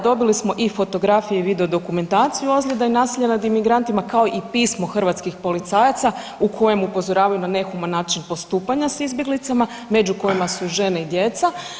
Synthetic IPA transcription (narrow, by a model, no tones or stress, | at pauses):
d̪o̞bilismo̞ʔifo̞t̪o̞ɡɾafijeiʋid̪e̞o̞d̪o̞kume̞nt̪aːt̪sijuo̞zʎʲed̪ainaːsiʎanad̪imiɡɾant̪imakao̞ʔipismo̞xr̩ʋat̪skixpo̞lit̪saːjat̪sa | ukʰo̞je̞mupo̞zo̞ɾaːʋajunane̞xumanːaːt͡ʃinpo̞st̪uːpaɲasizbjeɡlit̪sama | me̞d͡ʑuko̞jimasuʒe̞neid̪je̞t̪sa